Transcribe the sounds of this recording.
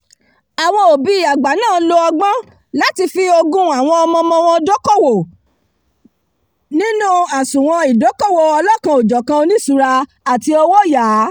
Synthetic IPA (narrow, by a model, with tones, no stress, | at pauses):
a˨w̃ɔ̃˧o˨bi˨˦i˨a˨ɡ͡ba˨˦nãː˦˨˦lo˧ɔ˧ɡ͡bɔ̃˦ | la˦ti˧fi˧o˧ɡũ˦a˨w̃ɔ̃˧ɔ˧mɔ̃˧mɔ̃˧w̃ɔ̃˧dɔ˦kɔ˦˨wo˨ | nĩ˦nũ˦a˨sũ˨w̃ɔ̃˧i˨dɔ˨˦kɔ˦˨wo˨ɔ˧lɔ˦kã˧o˨d͡ʒɔ˨kã˧o˧nĩ˦su˧˦ɾa˧ | a˨ti˧o˧wo˦jaː˨˦